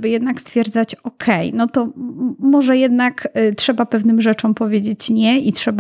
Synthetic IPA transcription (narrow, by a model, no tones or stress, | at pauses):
bɘjɛd̪nakst̪fʲjɛɾd̪zat͡ɕɔkʰɛjnɔt̪ɔmɔʐɛjɛd̪naktʂɛbapɛvnɘmʐɛt͡ʂɔ̃mpɔvʲjed͡ʑet͡ɕɲɛʔitʂɛb